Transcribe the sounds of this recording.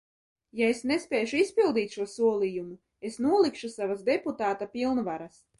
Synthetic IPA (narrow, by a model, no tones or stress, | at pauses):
jaesnespʲeːjʃuispilˠd̪iːt̪ʃuɔsuɔlˠijumu | esnuɔlˠikʃusavazd̪eput̪aːt̪apʲilˠnvaɾas